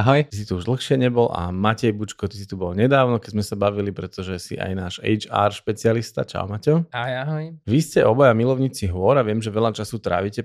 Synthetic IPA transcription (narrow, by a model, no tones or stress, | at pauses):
aɦɔjt̪is̬it̪uuʒd̪l̩xʃɪɛɲɛbɔla̰macɛjbut͡ʃkɔt̪isit̪ubɔlɲɛd̪aːʊnɔkɛɟzmɛsabaʋilipɾɛt̪ɔʒɛsḭʔa̰jnaːʃɛ̰jt͡ʃa̰ːɾʃpɛt͡siɪalist̪a̰t͡ʃa̰ʊmacɔaɦjaɦɔjʋiscɛʔɔbɔjamilɔʊɲit͡siɦʋʊɔɾaʋɪɛmʒɛʋɛʎat͡ʃasut̪ɾa̰ːʋicɛ